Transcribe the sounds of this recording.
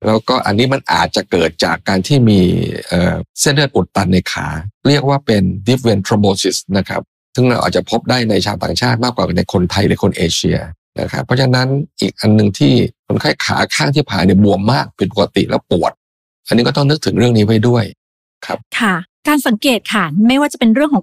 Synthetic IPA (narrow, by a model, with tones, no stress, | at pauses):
lɛː˦˥wkɔː˥˩ʔa̰˧nːiː˦˥ma˧nʔa̰ː˨˩t̪̚t͡ɕa˨˩kɤː˨˩t̪̚t͡ɕa̰ː˨˩kːaː˧nt̪ʰiː˥˩miː˧ʔə̰ː˨˩se˥˩ndɤː˥˩ʔu˨˩t̪ːa˧nːa˧jkʰa̰ː˩˦ɾi˥˩ək̚waː˥˩pe˧ndi˦˥pwe˧nt̪ʰɾo˧moː˧si˨˩sna˦˥kʰɾa̰˦˥p̚ | sɯ˥˩ŋɾa̰˧wʔa̰˨t̪̚t͡ɕa˨˩pʰo˦˥p̚daː˥˩jna˧jt͡ɕʰaː˧wt̪a̰ː˨˩ŋt͡ɕʰaː˥˩t̪̚maː˥˩kwaː˨˩ka˧nːa˧jkʰo˧nt̪ʰa˧jlɯː˩˦kʰo˧nʔeː˧t͡ɕʰḭ˧ɐ̰ | na̰˦˥kʰɾa̰˦˥pʰːɔ˦t͡ɕʰa˧na˦˥nʔiː˨˩k̚ʔa˧nːɯ˨˩ŋt̪ʰiː˥˩kʰo˧˦nkʰaː˥˩jkʰa̰ː˩˦kʰaː˥˩ŋt̪ʰiː˥˩pʰaː˨˩˦ni˧˩əbu˧əmːaː˥˩k̚pe˧npo˨˩a˧t̪ḭ˨˩ʔlɛ̰ː˦˥wpu˨˩ət̪̚ | ʔa˧nːi˦˥kɔ˥˩t̪ɔ˥˩ŋnɯ˦˥k̚t̪ʰɯ˩˦ŋɾɯ˥˩əŋniː˦˥wa˥˩jdu˥˩əj | kʰa̰˦˥p̚kʰa˥˩kaː˧nsa˨˦ŋkeː˨˩t̪̚kʰa˧˩ma˥˩jwaː˥˩t͡ɕa˨˩pe˧nɾɯ˥˩əŋkʰː